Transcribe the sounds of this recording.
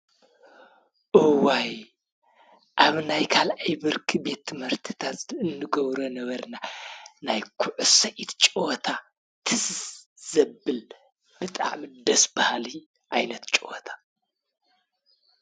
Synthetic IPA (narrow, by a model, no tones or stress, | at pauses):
ʔuwaj | ʔaβnajkʰalʔajbɨɾkʰibe̞t̪ːɨmɨɾt̪ʰɨt̪ʰat̪ɨnːɨɡɐβɾonɐβɐɾnanajkʰʊʕʊsɐʔit̪t͡ʃʼwt̪ʰa | t̪ʰɨsz̥ɐbɨl | bɨt̪ʼa̰ʕmid̪ɐsbahali | ʔajnɐt̪t͡ʃʼwt̪ʰḁ